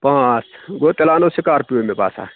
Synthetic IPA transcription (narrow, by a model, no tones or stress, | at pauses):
pãːt͡sɡoːt̪elaːnosikaːɾpiomeba̰ːsa̰ː